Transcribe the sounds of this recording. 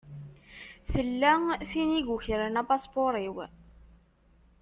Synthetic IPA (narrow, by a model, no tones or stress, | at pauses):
θəlːæθiniʝuçɾənæpɑspoɾˤiw